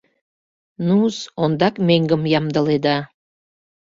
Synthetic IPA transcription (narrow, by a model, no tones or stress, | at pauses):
nusond̪ɑkmeŋɡə̆mjɑmd̪ə̆led̪ɑ